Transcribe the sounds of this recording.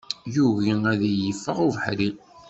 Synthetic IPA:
juɣiæðijəfːəʁuvəħɾi

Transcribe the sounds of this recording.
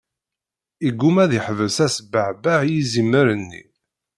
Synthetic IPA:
iɡːumæðiħvəsæsbəʕbaʕjizimːəɾənːḭ

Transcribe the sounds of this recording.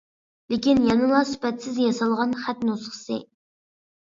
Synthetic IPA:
lɪkʲinjɑnɨlˠɑsy̥pɛt̪sɪzjɑsɑlˠʁɑnχæt̪nosχə̥sɨ̰

